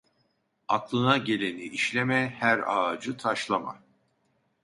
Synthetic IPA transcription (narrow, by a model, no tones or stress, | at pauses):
aklˠɯnaɟe̞lʲe̞niʔiʃlʲe̞mɛhæɾa̰ːd͡ʒɯt̪ʰaʃlˠama̰